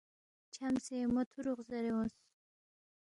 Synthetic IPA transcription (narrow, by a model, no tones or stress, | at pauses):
t͡ʃʰamsemot̪ʰuɾuχzaɾewos